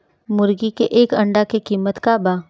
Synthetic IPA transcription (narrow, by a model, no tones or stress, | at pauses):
mʊɾɡikeʔeːkɐ̃ɳɖakekiːmət̪kabaː